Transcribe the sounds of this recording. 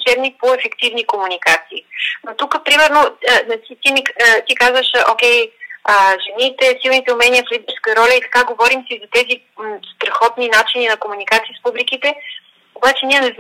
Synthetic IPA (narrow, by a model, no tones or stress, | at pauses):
t͡ʃɛbnik̚poɛfɛkt̪ivnikomunikat̪siːnot̪ukəpɾimɛɾnonat͡ʃit̪imit̪ikazvəʃokʲɛjəʒɛnit̪ɛsilˠnit̪ɛʊmɛniəflʲid̪ɛɾskəɾɔlʲəit̪ɐ̥kaɡovɔɾimsizɐt̪ɛzi | st̪ɾɐxɔt̪ninat͡ʃininɐkomunikat̪siəspublikit̪ɛ | kobat͡ʃɛniɛnɛzn